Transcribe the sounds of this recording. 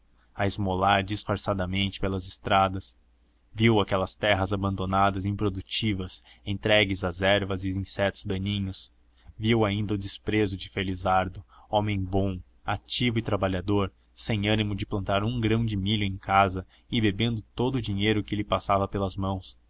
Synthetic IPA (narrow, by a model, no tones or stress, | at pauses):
ɐɪzmolaɾd͡ʒɪsfaɾsad̪ɐmẽnt͡ʃɪ̥pelɐzɪst̪ɾad̪ɐs | viwakɛlɐst̪ɛɦɐzabɐ̃nd̪onad̪ɐzĩpɾod̪ut͡ʃivɐsẽnt̪ɾɛɡɪzɐzɛɾvɐzɪĩsɛt̪ʊzd̪ɐ̃ɲĩɲʊs | viwaĩnd̪ɐʊd͡ʒɪspɾezʊd͡ʒɪfelizaɾd̪ʊõmẽj̃bõ | at͡ʃivʊɪt̪ɾabaʎad̪oɾ | sẽj̃ɐ̃nimʊd͡ʒɪplɐ̃nt̪aɾũɡɾɐ̃w̃d͡ʒɪmiʎʊẽj̃kazɐ | ɪbebẽnd̪ʊt̪od̪ʊːd͡ʒiɲejɾʊkɪlɪpasavɐpelɐzmɐ̃w̃s